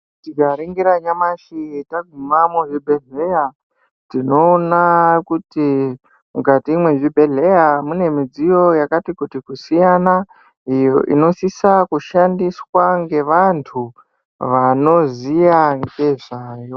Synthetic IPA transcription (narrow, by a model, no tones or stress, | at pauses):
tiɡaɾiŋɡiɾaɲamaʃitaɡʱumamuʐibʱe̞ɮeja | tino̞ːnakuti | mukatiːmwe̞ʐibʱe̞ɮe̞jamune̞mid͡zijo̞jakatikutikusijana | ijo̰ʔḭno̞sisakuʃandiswaŋɡe̞ʋantʰu | ʋano̞zijaŋɡe̞ʐaːjo